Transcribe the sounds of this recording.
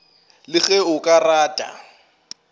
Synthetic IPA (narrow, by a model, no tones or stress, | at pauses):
lɪɣɛʊkʼaraːtʼa̰